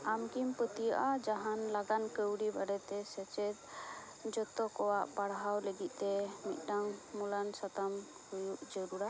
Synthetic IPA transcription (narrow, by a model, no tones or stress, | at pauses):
amkimpət̪ijaʔad͡ʒaɦanlaɡankəwɽibaɖɛt̪ɛsɛt͡ʃɛt̪̚ | d͡ʒɔt̪ɔkɔwaʔpaɽɦawləɡit̪̚ˀt̪ɛmit̪̚ˀɖaŋmulansat̪am | hujuʔd͡ʒəɾuɾa